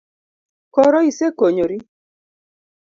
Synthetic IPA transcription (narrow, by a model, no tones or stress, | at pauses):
kɔɾɔisekoɲoɾi